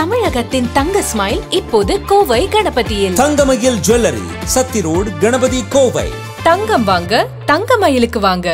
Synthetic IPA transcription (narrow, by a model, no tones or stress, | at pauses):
t̪ɐmɪɻɐɣɐt̪ːɪnt̪ɐŋɡɐsmɐːɪlɪpːoːðɯkoːʋɐɪɡɐɳɐbɐt̪ːɪjɪlt̪ɐŋɡɐmɐjɪld͡ʒɛlɐɾḭsɐt̪ːɪɾoːɽɡɐɳɐbɐðikoːʋɐ̰ɪ | t̪ɐŋɡɐmʋaːŋɡɐ | t̪ɐŋɡɐmɐjɪlɯkːɯʋaːŋɡɐ